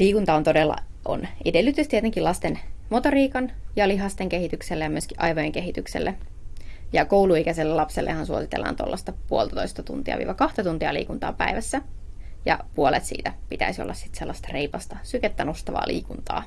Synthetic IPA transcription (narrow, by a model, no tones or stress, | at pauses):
liːkunt̪ɑont̪odelːɑ̰ | o̰nʔedelːyt̪ˑyst̪iet̪eŋkilɑst̪enmot̪oriːkɑnjɑliɦɑst̪eŋkeɦit̪ykselːejɑmyøskiʔɑjʋojeŋkeɦit̪yksḛlːe | jɑkouluikæselːelɑpselːḛhɑnsuo̰sit̪ḛlːɑ̰ːnt̪o̰lːɑst̪ɑpuolt̪ɑt̪oist̪ɑt̪ṵnt̪iɑ̰ʋḭːʋɑkɑht̪ɑt̪unt̪iɑlḭːkunt̪ɑ̰ːpæ̰iʋæsːæjɑ̰puolḛt̪sḭːt̪æpit̪æisiolːɑssi̥t̪selːɑst̪ɑreipɑst̪ɑsyket̪ːænust̪ɑʋɑ̰ːlʔḭːkunt̪ɑ̰ː